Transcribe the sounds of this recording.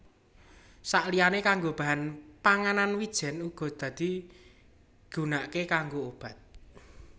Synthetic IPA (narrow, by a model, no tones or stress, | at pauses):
saʔlijanekaŋɡob̥a̤ɦanpaŋananwid̥ʒ̥ɛ̤nuɡ̥ɔ̤d̪̥ä̤d̪̥i̤ | ɡ̥ṳnaʔkekaŋɡoob̥ä̤t̪̚